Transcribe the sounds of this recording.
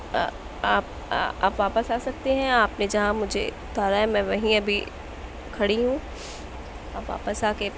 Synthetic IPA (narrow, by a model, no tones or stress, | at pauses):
aːpː | a̰ːpʋaːpəsaːsɐk̚t̪eɦɛ̃aːpned͡ʒɐɦãmʊd͡ʒʱḛʊt̪aːɾaɦɛmɛ̃ːʋɐɦĩɐbʱi | kʰɐɽiɦũ | ʋaːpʋa̰ːpəsaːke